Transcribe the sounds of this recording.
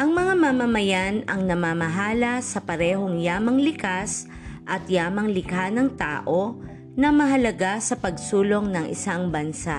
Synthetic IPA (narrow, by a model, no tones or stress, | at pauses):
ʔɐŋmɐŋamamɐmɐjanɐŋnɐmamɐɦaːlɐsɐpɐɾɛːɦo̞ŋjaːmɐŋlɪkas | ʔɐt̪jaːmɐŋlɪkanɐŋt̪a̰ːʔo̞ | nɐmɐɦɐlɐɡasɐpɐɡsuːlo̞ŋnɐŋɪ̰saŋbɐnsa